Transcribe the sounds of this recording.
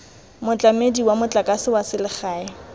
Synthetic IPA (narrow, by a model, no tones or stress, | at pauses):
mʊt͡ɬʼamediwamʊt͡ɬʼakʼasɪwasɪlɪχaːɪ